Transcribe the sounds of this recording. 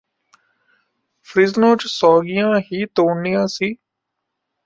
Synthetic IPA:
pʰɾɪznõːt͡ʃsɔːɡijãːɦiːt̪oːɳijãːsiː

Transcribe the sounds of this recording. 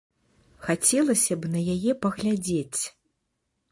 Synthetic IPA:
xat͡sʲɛlˠɐsʲɐbnɐjajɛpɐɣlʲad͡zʲet͡sʲ

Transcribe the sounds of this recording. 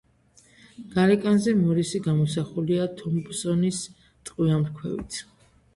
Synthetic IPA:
ɡ̥aɾɛkʼanzɛmɔɾisiɡamɔsaχuliat̪ʰɔmbsɔnis | t̪ʼqʼwiamɾkʰwɛ̰vḭt̪ʰ

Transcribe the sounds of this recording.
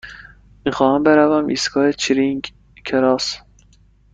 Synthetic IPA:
miːxɒːhæmbeɾævæmʔḭːskʰɒːet͡ʃʰiɾiŋɡ | kʰeɾɒːs

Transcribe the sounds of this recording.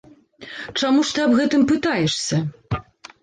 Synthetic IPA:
t͡ʂamuʂt̪ɨɐbɣɛt̪ɨmpɨt̪ajɛʂsʲɐ

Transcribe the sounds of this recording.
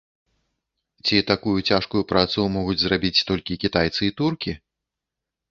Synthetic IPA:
t͡sʲit̪akujut͡sʲaʂkujupɾat̪sumɔɣud͡zʲzrabʲit͡sʲt̪ɔlʲkʲikʲit̪ajt̪sɨit̪urkʲi

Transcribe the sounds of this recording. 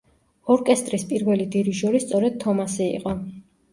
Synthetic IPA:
ɔɾkʼɛst̪ʼɾispʼiɾvɛlid̪iɾiʒɔɾist̪sʼɔɾɛd̪̥̚t̪ʰːɔmasiḭqʼɔ

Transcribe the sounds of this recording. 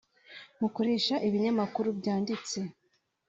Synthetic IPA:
muko̞ɾe̞ːʃaʔiβiɲamakuɾubjɟaːndit͡se̞

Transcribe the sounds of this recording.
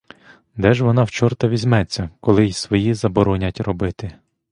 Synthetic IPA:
d̪ɛʒʋɔnɑwt͡ʃɔrt̪ɐʋʲizʲmɛt͡sʲːɐkɔlˠɪjsʋɔjizɐbɔɾɔnʲɐtʲrɔbɪt̪ɪ

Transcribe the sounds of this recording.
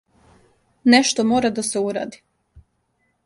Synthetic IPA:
neʃt̪omoːɾad̪aseuɾa̰ːd̪i

